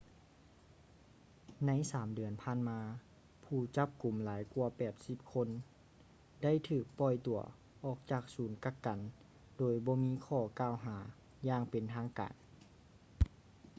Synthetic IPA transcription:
na˧˥jsaː˨˦mdɯ˨˩ənpʰaː˧˥˨nmaː˧ | pʰuː˧˩t͡ɕa˧˥p̚ku˨˩mlaː˨˦jku˧ɐpɛː˨˩t̪̚si˧˦p̚kʰo˧˥n | da˥˩˨jt̪ʰɯː˧˩k̚pɔ˧˩jt̪u˨˩ɐ | ʔɔː˧˩k̚t͡ɕaː˧˩k̚suː˨˩˦nka˧˩kːa˨n | doː˨˩jbɔː˧˦miː˧˥˨kʰɔː˧˩kaː˧˨wɦaː˩˦ | jaː˧˩ŋpe˨nt̪ʰaː˧˥ŋka̰ː˨n

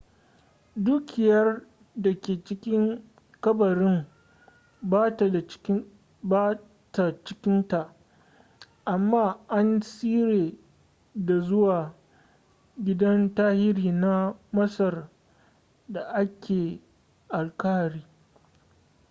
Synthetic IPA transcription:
duː˦kʲɪ˨jɐ˦r | da˨kʲeː˨t͡ʃɪ˦kʲɪ˦ŋ | kɐ˦bɐ˨ɾɪ˦ŋ | ba˦˨˦ | ba˦ | ta˨t͡ʃɪ˦kʲɪ˦nta˨ʔ | ʔa˨mːaː˦ʔa˦nsiː˦ɾeː˨ | da˨zʊ˦waː˨ | ɡʲɪ˦dɐ˦ntaː˦hɪ˦ɽiː˨na˦mɐ˦sɐ˨r | da˨ʔa˦kʲʰeː˨ | ʔa˨lka˦ha˨ɾiː˦

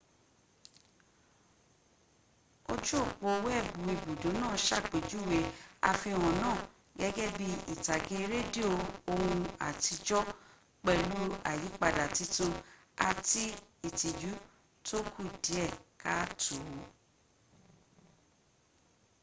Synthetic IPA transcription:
o˧d͡ʒu˦o˦˨k͡po˧wɛ˦˨bũ˨i˨bu˨dũ˨˦nãː˦˨˦ʃa˦˨k͡pe˨˦d͡ʒu˨˦˨we˨˦a̰˧fĩ˧˨w̃ɔ̃˨nãː˦˨ | ɡɛ˨˦ɡɛ˦bi˦ḭ˨ta˨ɡe˨˦ɾe˦di˦o˧o˧hũ˧a̰˨ti˧d͡ʒɔ˦ | k͡pɛ˧lu˨˦a̰˨ji˨˦k͡pa˧da˨ti˧˦tũ˧ | a˨ti˦i˨ti˨d͡ʒu˨˦ | tʰo˦kʰu˦˨di˨˦ɛ˦˨ka˦tu˨˦

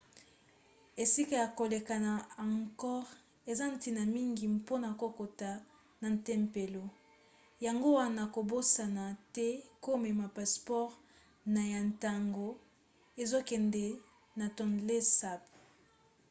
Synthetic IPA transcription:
e˨si˦ka˨ja˨ko˨le˨ka˨na˨a˨ŋkɔ˦ʁ | e˨za˦n̩˦ti˨na˨mi˦ŋɡi˨po˦na˨ko˨ko˨ta˨ | na˨n˨tɛ˦mpe˨lo˨ | ja˨ŋɡo˦wa˦na˨ko˨bo˦sa˨na˨tɛ˦ko˦mɛ˨ma˨pa˨spɔ˦ʁ | na˨ja˨nta˨ŋɡo˨ | e˨zo˦kɛ˨ndɛ˨ | na˨tɔ˨nle˦sa˦˨p̚

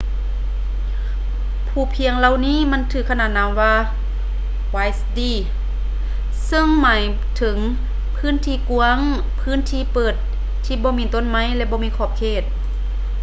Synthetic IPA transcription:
pʰuː˧˩pʰi˧əŋla˧˨wniː˧˥˨ma˧˥˨nt̪ʰɯː˧˩kʰnaː˧˩t̪̚na˧˥mwaː˧ | waː˧jst̪iː˧˩ | sɤ˧˥˩ŋmaː˨˦j | t̪ʰɯ˩˦ŋ | pʰɯː˥˨nt̪ʰiː˧˩ku˧əŋ | pʰɯː˧˥˨nt̪ʰiː˧˨pɤː˨˩t̪̚ʰː | iː˧˩bɔː˧˦miː˧˥˨t̪o˧˥˨nma˧˥˩jlɛ˧˩bɔː˧˦mi˧˥˨kʰɔː˧˩p̚kʰeː˧˩t̪̚

